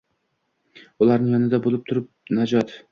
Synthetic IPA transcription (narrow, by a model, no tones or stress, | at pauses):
ʊlˠaɾnɪŋjɒnɪd̪abolˠɪp̚t̪ʰʊɾɪp̚nad͡ʒɒt̪